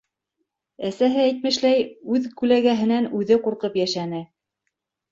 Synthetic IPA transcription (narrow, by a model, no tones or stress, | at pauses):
æsæɦɘæjt̪mɘ̆ʃlæjʉðkʉlæɡæɦɘ̆nænʉðɘquɾqɤpjæʃænɘ